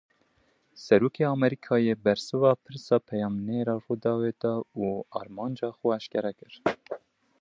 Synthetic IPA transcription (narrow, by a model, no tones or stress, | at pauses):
sɛɾuːkʰeːɑmɛɾiːkʰɑːjeːbɛɾsɨvɑːpʰɨɾsɑːpʰɛjɑːmneɾɑːrud̪ɑːweːd̪ɑuːɑːɾmɑːnd͡ʒɑːxuæʃkɛɾɛkɨɾ